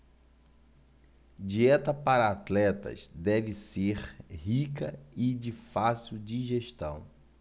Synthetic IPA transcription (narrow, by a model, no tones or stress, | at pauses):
d͡ʒiɛt̪ɐpaɾɐat̪lɛt̪ɐ̰sd̪ɛvɪseɾhikɐɪd͡ʒɪfasiwd͡ʒiʒeʃt̪ɐ̰̃w̃